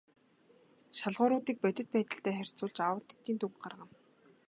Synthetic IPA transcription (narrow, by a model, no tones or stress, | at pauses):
ʃaɮʁʊːɾʊːt̪iːk̚pœt̪ʲɪ̆t̪̚pæːt̪ə̆ɬt̪æːχær̥ʲt͡sʊːɮt͡ɕawə̆t̪e̥t̪ːiːnt̪ʰuŋɢarʁə̆m